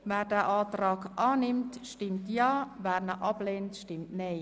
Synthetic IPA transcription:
ʋɛːrdɛʔɑːtrɑːkʔɑːnɪmtʃtɪmtjɑːʋæːrnəʔɑbleːntʃtɪmtneː

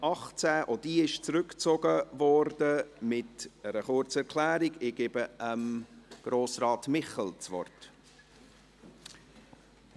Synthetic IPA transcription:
ɑχt͡sɛːʔod̥iːɪʃt͡sɾʏkt͡soɡəvɔrdəmɪtəɾəχʊɾt͡səɛɾʁkʰlæːɾiɡɪɡ̥eːbəəmɡ̥ɾoːsrɑːtmɪχɛlt͡svɔ̰rt

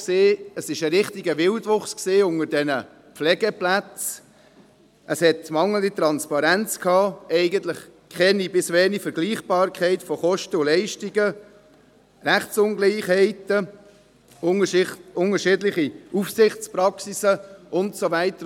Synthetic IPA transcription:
seːəsɪʃəɾɪχtiɡəvɪldʋʊχskseːʊŋədɛnə | pflɛɡəplæt͡s | ʔəshɛtmɑŋədit̪ɾɑnspɑɾænt͡skʰhɑːɛɪɡəntlɪχkχɛnibɪsʋɛnifəɾɡ̥liːχb̥ɑːɾkχɛɪtfɔχɔʃtəulɛɪʃtiɡə | ɾæχt͡sʊŋɡliɪχhɛɪtə | ʊŋəʃɪːdlɪχiufsɪχt͡spɾɑksisəʊntsovɛɪtə

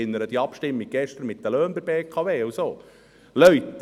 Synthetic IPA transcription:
ɪnːəɾəd̪iɑpʃtɪmːiɡ̚ɡ̥ɛʃt̪əɾmɪt̪d̪əløːnbəbeːkʰɑveːsoː | lœɥt̪ː

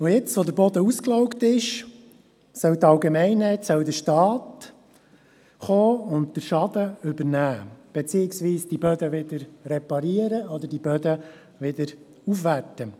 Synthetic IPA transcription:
ʊjɪt͡sʋɔd̪əɾbɔd̪əusklɔʊktɪʃ | sœwt̪ɑwɡɛmɛɪnɛt̪sœwd̪əʃtɑːt | χoːʊntd̥̪əɾʃɑd̥̪əʏbəɾnæːb̥et͡siːɪksʋiːsd̥ibœd̪əʋɪd̥̪əɾrɛpɑɾiəɾəɔd̪əɾdibœd̪ə | ʋɪd̪əɾ | ufʋætːə

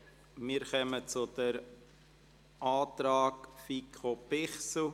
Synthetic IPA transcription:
miːɾkœmət͡sʊd̥̪əɾ | ʔɑːt̪ɾɑːkfikʰopɪχsl̩

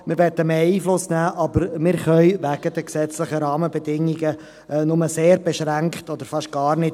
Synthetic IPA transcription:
mɪɾʋɛt̪əmeːiːflʊsnæːʔɑbəɾmɪɾχœʏʋæɡ̥əd̪əksɛt͡sləχəɾɑːməbɛdɪŋiɡə | nʊməseːɾbɛʃɾæŋkχtɔd̪əɾfɑʃtɡ̥ɑːɾnɪt

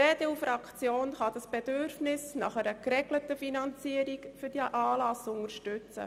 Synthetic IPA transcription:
ɛdɛufɾɑkt͡sjoːnχɑd̪ɑsb̥ɛdøɾfnɪsnɑ̰χɛɾəkɾɛɡlətəfinɑnt͡siəɾikfyɾd̥iʔɑːlɑsʊnəɾʃtʏt͡sə̰

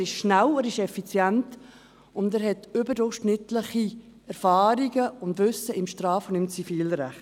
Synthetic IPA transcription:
ɪʃʃnæwɛɾɪʃɛfit͡sjɛnt | ʊndɛːɾhɛtʏbəɾdʊɾχʃnɪtləχi | ɛɾfɑːɾiɡəʊntvʏsəɪmʃtɾɑːfɔnimt͡sifiːlɾɛχt

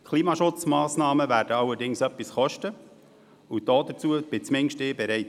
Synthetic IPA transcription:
kʰliːmɑʃʊt͡smɑːsnɑːməvæːɾdəɑwəɾdɪŋsœpːisχɔʃtə | ud̥ɔːd̪ət͡suːəb̥ɪt͡smɪŋʃtɪːbɛɾɛɪt

